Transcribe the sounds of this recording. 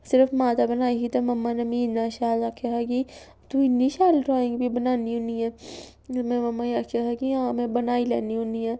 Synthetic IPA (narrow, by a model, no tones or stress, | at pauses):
sɪɾəfmaːt̪abɐnaːikit̪ɐmɐmːanɐmĩːnaʃaːlakʰaɦaki | t̪uɪnːiʃaːlʈɾaːɪ̃ŋɡbʱibɐnaːniɦʊ̃niɛː | mɛ̃mɐmːaiakʰaɦakiãːmẽbɐnaːilɛ̰ːniɦõniɛː